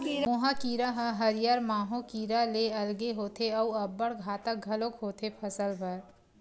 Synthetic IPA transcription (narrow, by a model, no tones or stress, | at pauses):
moːɦakiːɾaɦəɦɐɾijaɾmaːɦõkiːɾaleɐlɡeɦoːt̪ʰeɐuɐbːəɽɡʱaːt̪ək̚ɡʱɐlokɦoːt̪ʰepʰɐsəlbɐɾ